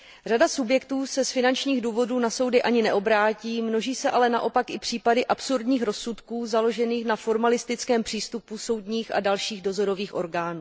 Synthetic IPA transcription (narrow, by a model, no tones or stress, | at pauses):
r̝adasubjɛkt̪uːsɛsfɪnant͡ʃɲiːɣduːvo̞duːnaso̞wdɪʔaɲɪnɛʔo̞bɾaːciːmno̞ʒiːsɛʔalɛnaʔo̞pakʔɪpr̝̥iːpadɪʔapsuɾdɲiːxɾo̞sːut̪kuːzalo̞ʒɛniːxnafo̞ɾmalɪst̪ɪt͡skɛːmpr̥iːst̪upuso̞wdɲiːxa̰dalʃiːɣdo̞zo̞ɾo̞viːxʔo̞ɾɡaːnuː